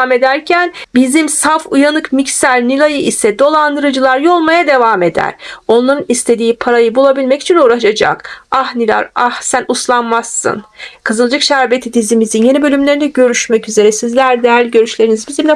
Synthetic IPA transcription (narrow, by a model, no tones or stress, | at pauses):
me̞d̪æɾcʰænbizimsafujanɯkmicsæɾnilʲˠajɯʔisɛd̪o̞lˠand̪ɯɾɯd͡ʒɯlˠaɾjo̞lˠmajad̪e̞vaːme̞d̪æ̰ɾ̥o̞nlˠaɾɯnist̪ʰe̞d̪iːpʰaɾajɯbulˠabilʲmɛci̥t͡ʃʰinuːɾaʃad͡ʒa̰kahnilʲˠa̰ɾahsænuslˠanmasːɯ̰nkʰɯzɯlˠd͡ʒɯkʃæɾbe̞t̪ʰid̪izimizinje̞nibø̞lʲymlʲeind̪ɛɟø̞ɾyʃmɛcyze̞ɾɛsizlʲæɾd̪ælʲɟø̞ɾyʃlʲe̞ɾinizbizimʲɛ